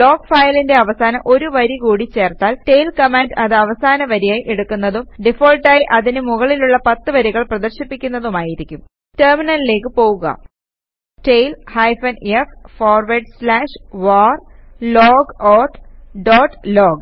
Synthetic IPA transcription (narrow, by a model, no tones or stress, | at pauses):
lo̞ːɡfɐːjlinde̞ɐʋɐsaːnɐʔo̞ɾuʋɐɾikuːɽit͡ɕe̞ːrt̪aːlte̞jlkɐmenɖɐðɨɐʋɐsaːnɐʋɐɾijaːjʔeɽukːunːɐðumɖifoːlʈaːjiʔɐðinɨmuɣɐɭiluɭːɐpɐt̪ːɨʋɐɾiɣɐɭprɐðɐrɕipːikʲːunːɐðumaːjiɾikʲːum | terminɐlile̞ːkːɨpo̞ːɣuɣɐ̰ | tejlhɐjfɐneffoːrʋɐɖslaːʂʋaːrloːɡoːt̪ʰɖoːʈːloːɡ